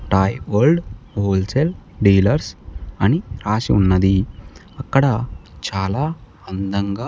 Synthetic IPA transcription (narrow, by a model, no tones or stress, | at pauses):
ʈaːjʋɐɾɖɦoːlselɖiːlɐɾsɐniɾaːsiunːɐd̪i | ɐkːɐɽɐt͡ʃaːlaː | ɐnd̪ɐŋɡaː